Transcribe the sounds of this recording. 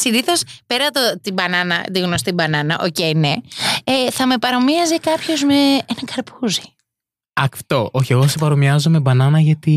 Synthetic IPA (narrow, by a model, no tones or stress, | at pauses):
siniθo̞spe̞ɾɐt̪ot̪ibɐnɐnɐ̰t̪iɣnost̪ibɐnɐnɐʔo̞ce̞jne | θɐme̞pɐɾomiɐzikɐpço̞zme̞enɐkɐɾpuzi̥ | ɐkft̪o̞ʔoçe̞ɣosepɐɾomiɐzome̞bɐnɐnɐʝɐt̪i